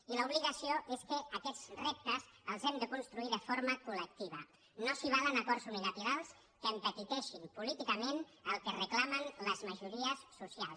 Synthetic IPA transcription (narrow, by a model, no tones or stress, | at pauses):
iləuβ̞liɣasioʔeskəːkɛzrep̚t̪əzəlˠzɛmd̪əkunst̪ɾuiðəfoɾməkulək̚t̪iβ̞ə | nosiβ̞aðənəkɔɾzunilat̪iɾalˠs | kəːmpət̪it̪ɛʃimpulit̪ikəmenəlˠkərəklamənləzməʒuɾiəsːusialˠs